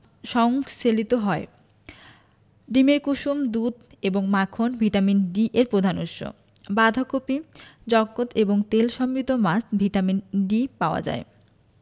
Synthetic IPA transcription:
ʃɔŋselit̪oɦɔe | ɖimeɾkuʃomd̪ud̪ʱ | eboŋmakʰonbʱiʈaminɖiʔeɾpɾod̪ʱanuʃːo̰ | bad̪ʱakopid͡ʑɔkːot̪eboŋt̪elʃɔmbid̪omasbʱiʈaminɖipaoa̰d͡ʑa̰e

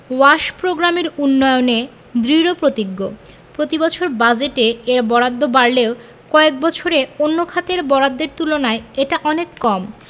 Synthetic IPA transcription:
waʃpɾoɡɾameɾunːɔjone | d̪ɾiɾopɾot̪iɡːo | pɾot̪ibɔt͡ɕʰoɾbad͡ʑeʈeeɾbɔɽad̪ʱːobaɾleo | kɔek̚bɔt͡ɕʰoɾeonːokʰat̪eɾbɔɾad̪ːeɾt̪ulonaeeʈaʔɔnekːɔm

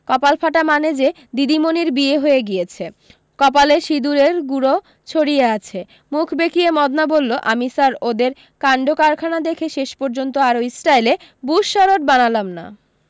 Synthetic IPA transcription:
kɔpalfʰaʈamaned͡ʑe | d̪id̪imoniɾbieɦoeɡijet͡ɕʰe | kɔpaleʃid̪uɾeɾɡuɾo | t͡ɕʰoɽieat͡ɕʰe | mukʰbekiemɔd̪nabolːoʔamisaɾod̪eɾ | kaɳɖokaɾkʰanad̪ekʰeʃeʃpoɾd͡ʑont̪oaɾoisʈajlebuʃːaɾoʈbanalamna̰

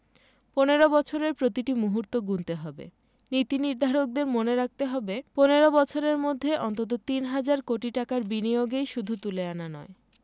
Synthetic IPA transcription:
poneɾobɔt͡ɕʰoɾeɾpɾot̪iʈimuɦuɾt̪oɡunt̪eɦɔbḛ | nit̪iniɾd̪ʱaɾok̚d̪eɾmoneɾak̚t̪eɦɔbeponeɾobɔt͡ɕʰoɾeɾmod̪ʱːeʔɔnt̪ot̪̬ot̪inɦad͡ʑaɾkoʈiʈakaɾbinijoɡejʃud̪ʱut̪uleananɔe

